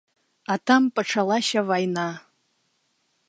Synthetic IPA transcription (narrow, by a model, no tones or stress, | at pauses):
atʰampʼaʈ͡ʂʰalaʃavajna